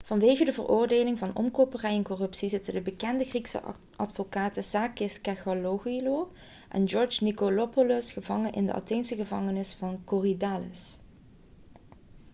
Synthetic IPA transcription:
v̥ɑnʋejɣədəvərʊːɹdeːlɪŋvɑnɔ̰mkopərɛjɛnkɔrɵpsizɪtədəbəkɛndəχriksə̰ | ɑtfokaːtəsaːkɪskɛxoloɣilo | ʔɛ̰nd͡ʒɔɹd͡ʒnikolopolɔsχəvɑŋənʔɪ̰ndə̰ʔɑ̰tejnsəɣəvɑŋənɪsfɑnkoridaːlə̰s

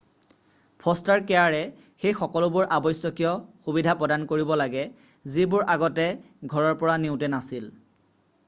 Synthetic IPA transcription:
pʰɔstaɹkɛaɹɛ | xejxɔkɔlʊbʊɹʔabɔjsjɔkijɔxubidʱapɹɔdankoɹibɔlaɡɛ | zibʊɹaɡɔtɛ | ɡʱɔɹɔɹpɔɹaneʊtɛnasil

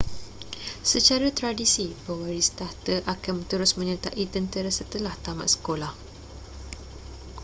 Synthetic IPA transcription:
sət͡ʃaɾat̪ɾadisibəwaɾist̪aht̪əʔakanmt̪əɾʊsmə̃ɲət̪aʔit̪ənt̪əɾasət̪əlaht̪ama̰ʔsə̥kolah

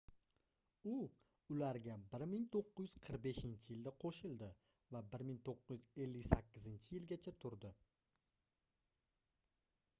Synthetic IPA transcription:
ʊ | ʊlaɾɡʲabɪɾmɪŋt̪ʰoqːʊzjʏz̥qʰɨɾq̚be̞ʃɪnt͡ʃʰɪjɪld̪aqʰoʃɪlˠd̪ɪ | vabɪɾmɪŋt̪ʰoqːʊzjɪze̞lːɪkʲsakʲʰːɪzɪnt͡ʃʰɪjɪlɡʲat͡ʃʰat̪ʰʊɾd̪ɪ

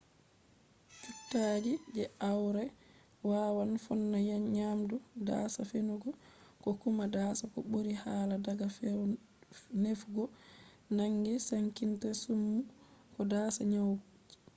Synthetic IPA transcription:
t͡ʃuktːaːd͡ʒid͡ʒɛawɾɛ | waːwanfɔnːajaɲaːmduda̰ːsafenuɡɔkɔkumadaːsakɔ̰ɓoɾihaːladaɡafɛ | nefɡɔ | naŋɡɛsaŋkintasumːukɔdasaɲawɡud͡ʒi̥

